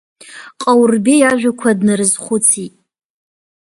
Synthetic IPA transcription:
qʼawrbejaʒᶣakʷʰadnɨrɨzχʷʊt͡sʰitʼ

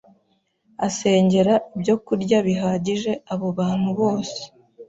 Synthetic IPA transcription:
ase̞ːɲɟe̞ɾaibɟo̞kuɾɟaβiɦaːɟiʒe̞aβoβaːn̥huβo̞ːse̥

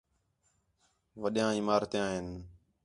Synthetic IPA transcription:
ʋəɗjãːiːmaːɾt̪eːãːɦɪn

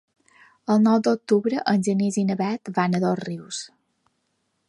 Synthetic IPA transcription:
əlˠnɔwd̪ok̚t̪uβɾəʔənʲʒənizinəβɛt̪vanəðosriws

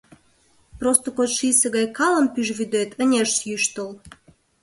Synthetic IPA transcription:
prost̪okot̪ʃiseɣɑjkɑlə̆mpyʒβyd̪øt̪ʰənʲeʃsjyʃt̪əl

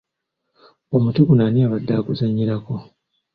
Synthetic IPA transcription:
omutikunaniaβadːakuzaɲːiɾako̞

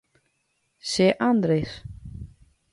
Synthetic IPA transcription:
sɛːʔant̪ɾejs

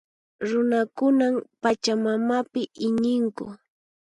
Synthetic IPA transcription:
ɾʊnakʊnampat͡ʃamamapɪʔɪɲɪŋkʊ̰

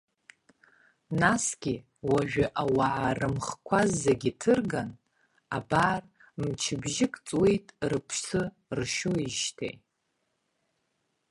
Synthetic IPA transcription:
nasɡʲi | waʒᶣaʔawaʕarɨmχkʷʰazːaɡʲitʰɨrɡan | a̰baːr | mt͡ʃʰɪbʒɪkʼt͡sʼwejtʼrɨpʰsɨ | rʃuiʒtʰḛj

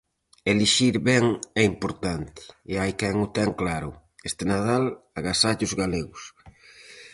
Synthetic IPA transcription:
eliʃiɾβɛŋɛimpoɾt̪ant̪ɪ̥ːajkɛŋʊt̪ɛŋklaɾʊ | est̪enaðalaɣasaʎʊzɣaleɣʊs

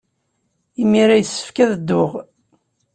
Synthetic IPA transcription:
imiɾæjəsːə̥fkæðəd̪ːʊʁ

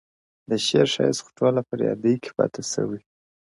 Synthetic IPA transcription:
d̪əʃeɾʃɑjsxʊ̥ʈʰolapəɾjɑ̰d̪əjkʰe̥pɑ̰t̪esə̰wi

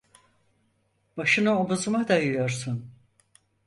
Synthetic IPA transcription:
b̥aʃɯnɯobuzumad̪ajujo̞ɾsun

